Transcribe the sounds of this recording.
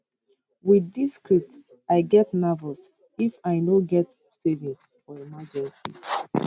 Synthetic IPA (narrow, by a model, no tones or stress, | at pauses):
widiskɹip̚t | aɪɡɛtnɔvəls | ifaɪnoɡɛt | sɛvĩns | fɔemad͡ʒɛ̃nsḭ